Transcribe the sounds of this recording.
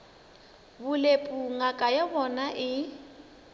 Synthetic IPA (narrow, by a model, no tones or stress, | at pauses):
bʊlepʼuŋakʼajabɔnaʔɪ